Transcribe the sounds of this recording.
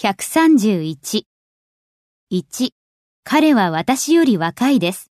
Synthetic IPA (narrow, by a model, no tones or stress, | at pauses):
çʲakɯ̟̥sãɲ̟d͡ʑɨːit͡ɕi | it͡ɕi | kʰaɾe̞βaβat̪aɕijo̞ɾʲiβakaid̪e̞sɨ̥